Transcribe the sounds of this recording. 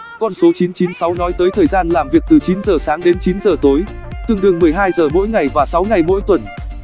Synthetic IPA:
kɔ˧nso˨˦t͡ɕi˨˦nt͡ɕi˨˦nsa˨˦wnɔ˨˦jt̪əː˨˦jt̪ʰəː˨˩jzaː˧nlaː˨˩mvi˨˩ək̚t̪ɨ˨˩t͡ɕi˨˦nzəː˨˩saː˨˦ŋɗe˨˦nt͡ɕi˨˦nzəː˨˩t̪o˨˦j | t̪ɨ˨˩əŋɗɨ˨˩əŋmɨ˨˩əjɦaː˧jzəː˨˩mo̰˧˥jŋa˨˩jvaː˨˩sa˨˦wŋa˨˩jmo̰˧˥jt̪wə˨˧˩n

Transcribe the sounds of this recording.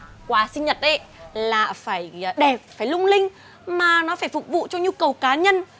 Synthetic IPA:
kwaː˨˦sï˧ŋ̟ɲə˨˩t̚ʔə˨˦jlaː˨˩faː˧˩jɗe˨˩p̚faː˧˩jlʊ˧ŋ͡mlï˧ŋ̟ | maː˨˩nɔ˨˦faː˧˩jfʊ˨˩k͡p̚vṵ˧˨t͡ɕɔ˧ɲu˧kə˨˩wkaː˨˦ɲə˧n

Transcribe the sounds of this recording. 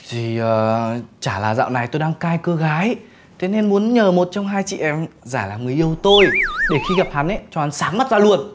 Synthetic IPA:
zi˨˩ʔəː˨˩t͡ɕaː˧˩laː˨˩za̰ː˧˨wna˨˩jt̪o˧jɗaː˧ŋkaː˧jkəː˧ɣaː˨˦j | t̪ʰe˨˦ne˧nmu˨˦ənɲəː˨˩mo˨˩t̚t͡ɕɔ˧wŋ͡mɦaː˧jt͡ɕḭ˧˨ʔɛ˨˧mzaː˧˩laː˨˩ŋɨ˨˩əjʔi˧əwt̪o˧jɗe˧˩xi˧ɣa˨˩p̚ha˨˦nʔɛ˧˦t͡ɕɔ˧ʔa˨˦nsaː˨˦ŋma˦˥t̚zaː˧lu˧˩ən

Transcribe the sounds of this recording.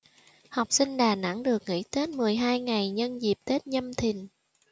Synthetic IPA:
ha˨˩wk͡p̚si˧ŋ̟ɗaː˨˩na̰˧˥ŋɗɨ˨˩ək̚ŋḭ˧˥t̪e˦˥t̚mɨ˨˩əjɦaː˧jŋa˨˩jɲə˧nzi˨˩p̚t̪e˦˥t̚ɲə˧mt̪ʰï˨˩ŋ

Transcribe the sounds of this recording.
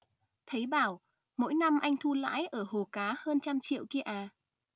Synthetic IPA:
t̪ʰə˨˦jɓaː˧˩w | mo̰˧˥jna˧mʔa˧jŋ̟t̪ʰu˧la̰ː˧˥jʔəː˧˩ho˨˩kaː˨˦həː˧nt͡ɕa˧mt͡ɕḭ˧˨wki˧əʔaː˨˩

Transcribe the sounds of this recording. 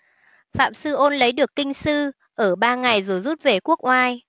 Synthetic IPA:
fa̰ː˧˨msɨ˧ʔo˧nlə˨˦jɗɨ˨˩əkːï˧ŋ̟sɨ˧ | ʔəː˧˩ɓaː˧ŋa˨˩jzo˨˩jzu˦˥t̚ve˨˩ku˦˥ək̚ʔwaː˧j

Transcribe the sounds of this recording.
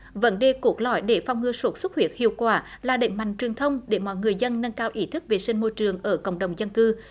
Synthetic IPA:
və̰˧˥nɗe˨˩ku˧˦ət̚lɔ̰˧˨jɗe˧˩fa˧wŋ͡mŋɨ˧əso˦˥t̚swu˦˥t̚hwi˧˩ət̚hḭ˧˨əwkwaː˧˩laː˨˩ɗḛ˧˨˦ŋ̟ma̰˧˨ŋ̟t͡ɕwi˨˩ət̪ʰə˧wŋ͡mɗe˧˩mɔ̰˧˨jŋɨ˨˩əjzə˧nːə˧nkaː˧wʔi˧˦t̪ʰɨ˦˥k̚ve˨˩sï˧ŋmo˧jt͡ɕɨ˨˩əŋʔəː˧˩kə̰˧˨wŋ͡mɗə˨˩wŋ͡mzə˧nkɨ˧

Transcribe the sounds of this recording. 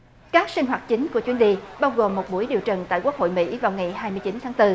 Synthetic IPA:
kaː˦˥k̚sï˧ŋ̟ɦwaː˨˩t̚t͡ɕï˨˦ŋ̟ku˧˩ət͡ɕwi˧˦ənɗi˧ɓaː˧wɣo˨˩mːo˨˩t̚ɓu˧˩əjɗi˨˩əwt͡ɕə˨˩ŋt̪a̰ː˧˨ku˦ək̚ho̰˧˨jmḭ˧˥vaː˨˩wŋa˨˩jhaː˧jmɨ˧jt͡ɕi˨˦nt̪ʰaː˨˦ŋt̪ɨ˧

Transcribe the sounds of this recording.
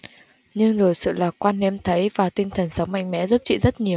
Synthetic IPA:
ɲɨ˧ŋzo˨˩jsɨ̰˧˨laː˨˩kwaː˧nhɛ˧mt̪ʰə˨˦jvaː˨˩t̪ï˧ŋ̟t̪ʰə˨˩nsə˨˦wŋ͡mma̰˧˨jŋ̟mɛ̰˧˥zu˦˥p̚t͡ɕḭ˧˨zə˦˥t̚ɲi˨˩əw

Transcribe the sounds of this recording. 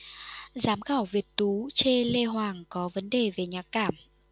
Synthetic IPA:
zaː˨˦mɣaː˧˩wvi˨˩ət̚t̪u˨˦t͡ɕe˧le˧ɦwaː˨˩ŋkɔ˨˦və˨˦nɗe˨˩ve˨˩ɲaː˨˩t̚kaː˧˩m

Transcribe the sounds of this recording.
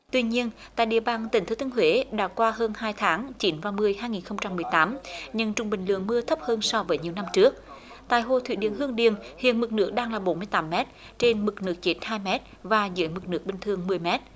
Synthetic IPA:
t̪wi˧ɲi˧ənt̪a̰ː˧˨jɗḭ˨˩əɓaː˨˩ŋt̪ï˨˩ŋt̪ʰə˨˦t̪ːŋɦwe˨˦ɗa̰ː˧˥kwaː˧ɦəː˧nhaː˧jt̪ʰaː˨˦ŋt͡ɕi˨˦nvaː˨˩mɨ˨˩əjhaː˧jŋi˨˩nxə˧wŋ͡mt͡ɕa˧mːɨ˨˩əjt̪aː˨˦mɲɨ˧˩ŋt͡ɕʊ˨˩ŋ͡mɓï˨˩ŋ̟lɨ̰˧˨əŋmɨ˧ət̪ʰə˦˥p̚həː˧nsɔ˧vəː˨˦jɲi˨˩əwna˧mt͡ɕɨ˦˥ək̚ | t̪a̰ː˧˨jɦo˧˨˩t̪ʰwḭ˧˥ɗi˨˧˩ənɦɨ˧əŋɗi˨ənhḭ˧˨ənmɨ˨˩k̚nɨ̰˧˦˥ək̚ɗaː˧ŋlaː˨˩ɓo˨˦nmɨ˧əjt̪aː˨˦mːɛ˦˥t̚ | t͡ɕe˧nmɨ˨˩k̚nɨ˦˥ək̚t͡ɕe˦˥t̚haː˧jmɛ˦˥t̚vaː˨˩zə̰ː˧˦jmɨ˨˩k̚nɨ˦˥ək̚ɓï˨ŋ̟t̪ʰɨ˨˧əŋmɨ˨˩əjmɛ˦˥t̚

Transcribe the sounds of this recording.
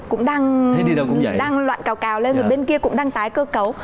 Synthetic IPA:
kʊ̰˧˥ŋ͡mɗaː˧ŋa˧˦i˧ɗə˧wkʊ̰˧˥ŋ͡mɗaː˧ŋlwa̰ː˧˨nkaː˨˦wkaː˨˦wle˧nzo˨˩jɓe˧nki˧əkʊ̰˧˥ŋ͡mɗaː˧ŋt̪aː˨˦jkəː˧kə˨˦w

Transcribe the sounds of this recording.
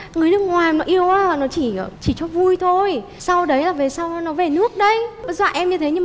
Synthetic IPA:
ŋɨ˨˩əjnɨ˦ək̚ŋwaː˨˩jnɔ˨˦ʔi˧əwaː˨˦˨nɔ˨˦t͡ɕi˧˩˨t͡ɕi˧˩t͡ɕɔ˧vu˧jt̪ʰo˧j | sa˧wɗə˨˦jlaː˨˩ve˨˩sa˧wnɔ˨˦ve˨˩nɨ˦˥ək̚ɗə˧jzwa̰ː˧˨ʔɛ˧mɲɨ˧t̪ʰe˨˦ɲɨ˧mː˨

